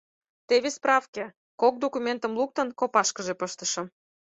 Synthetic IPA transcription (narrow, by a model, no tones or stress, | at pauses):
t̪eβesprɑfke | kok̚d̪okumʲent̪əmluk̚t̪ə̆nkopɑʃkəʒepəʃt̪əʃɤ̆m